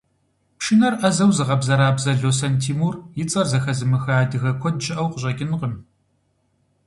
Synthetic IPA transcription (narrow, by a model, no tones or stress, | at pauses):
pʃɪnɐrʔɐzɐwzɨʁɐbzɐɾaːbzɐɮoːsɐntʰiːmuːrjɪt͡sʼɐrzɐxɐzɨmɨxɐaːdɨɣɐkʷʰɔd̚ʒʼɪʔɐwqəɕʼɐɡʲɪnqəm